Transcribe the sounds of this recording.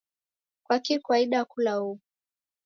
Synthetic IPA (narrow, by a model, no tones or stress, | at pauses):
kwakikuwaiɗakulauu